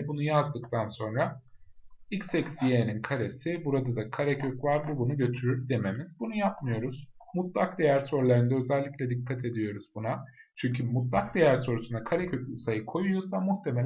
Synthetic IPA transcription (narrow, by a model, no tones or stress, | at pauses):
bunujazd̪ɯkt̪ʰanso̞nɾa | ilcsɛcsijeninkʰaɾe̞sibuɾad̪ad̪akʰaɾɛcʰøcvaɾbubunuɟø̞t̪ʰyɾyɾd̪e̞me̞miz̥bunujapmɯjo̞ɾuz̥mut̪lˠak̚d̪e̞jæɾso̞ɾlˠaɾɯnd̪aø̞zælʲːiclʲɛd̪ikʰːat̪ʰe̞d̪ijo̞ɾuzbunat͡ʃʰyɲcʰymut̪lˠak̚d̪e̞jæɾso̞ɾusund̪akʰaɾɛcʰø̞cusajɯkʰo̞jujosamuxt̪ʰe̞melʲ